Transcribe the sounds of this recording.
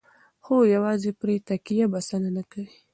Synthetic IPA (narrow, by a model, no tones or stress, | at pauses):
xojawɑzepɾet̪akijabasananakawi